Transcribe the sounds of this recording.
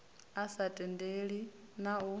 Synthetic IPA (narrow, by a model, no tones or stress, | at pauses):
asatʼɛndeɺi | nau